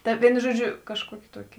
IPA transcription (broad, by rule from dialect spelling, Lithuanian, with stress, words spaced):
ˈtɐ ˈʋʲiɛnʊ ˈʒuɔˌd͡ʒʲʊ kɐʃˈkuɔkʲeː ˈtuɔkʲeː